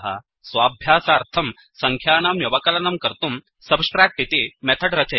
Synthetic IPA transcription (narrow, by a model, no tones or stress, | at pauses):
ɦɐ̰ | sʋaːbʱjaːsaːɾt̪ʰɐm | sɐŋkʰjaːnaːmjuʋɐkɐlɐnɐmkɐɾt̪um | sɐbsʈɾaːk̚ʈit̪emɛt̪ʰɐɽɾɐt͡ʃɐ